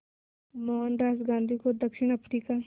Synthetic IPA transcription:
mɔːnɾaːd͡ʒɡãːnd̪ʱikod̪ɐkʃɪɳ̃ɐpɾiːka

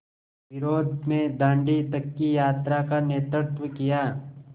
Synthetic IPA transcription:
ʋɪɾoːd̪mẽd̪ãːɳɖit̪ɐkːijaːt̪ɾakaneːt̪ɾəɾt̪wəkijaː

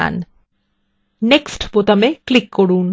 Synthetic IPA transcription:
a̰n | neksʈbot̪ameklikːoɽun

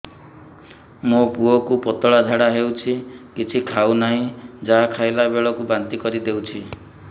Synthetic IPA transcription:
mopuɔkupɔt̪ɔɭad̪ʱaɽaɦewt͡ʃʰikit͡ʃʰikʰawnaɦĩd͡ʒakʰajlabeɭɔkubant̪ikɔɾid̪ewt͡ʃʰi

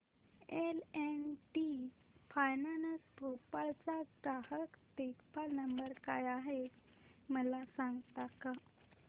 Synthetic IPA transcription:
elenʈi | fajnanəspopalt͡saɡɾahəkt̪ekpalnəmbəɾkajaɦe | məlasãŋɡt̪aka

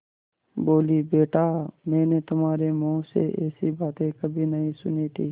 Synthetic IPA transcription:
boːliːbeːʈaːmɛ̃ːneːt̪ʊmaːɾeːmõːsḛʔɛːsibaːt̪ẽkəbʱiːnəɦĩsʊnit̪ʰiː

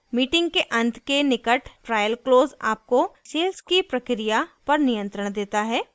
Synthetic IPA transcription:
miːʈɪ̃ŋɡ̚keʔɐ̃nt̪ʰkenɪkəʈʈɾaːjəlkloːza̰ːp̚koʃeːlskipɾɐkɾijapɐɾnijə̃nt̪ɾəɽ̃d̪eːt̪aɦɛː

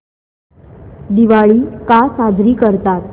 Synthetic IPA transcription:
d̪iʋaɭiːkasad͡zʱɾiːkəɾt̪at̪̚

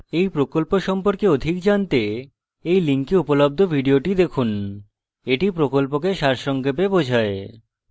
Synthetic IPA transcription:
ejpɾokolpoʃɔmpoɾkeod̪ʱikd͡ʑant̪e | ejliŋkiupolob̚d̪ʱobʱiɖioʈid̪ekʰun | eʈipɾokolp̬okeʃaɾʃɔŋkep̬ebod͡ʑʱae

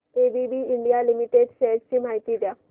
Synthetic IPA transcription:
ebibiːɳɖijalimiʈeɖsest͡ɕiːm̤aɦit̪iːd̪ja

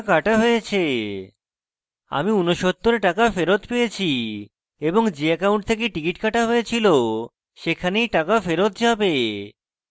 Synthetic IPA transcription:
kaʈaɦojet͡ɕʰe | a̰miunoʃɔt̪ːoɾeʈakafeɾot̪pejet͡ɕʰi | eboŋd͡ʑeɛkawɳʈ̚t̪ʰek̬eʈikiʈkaʈaɦojet͡ɕʰilo | ʃekʰanejʈakafeɾot̪̚d͡ʑabe

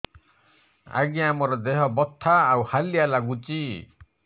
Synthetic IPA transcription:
a̰ɡiamɔɾɔd̪eɦɔbɔt̪ʰːaːwhalialaɡut͡ʃi

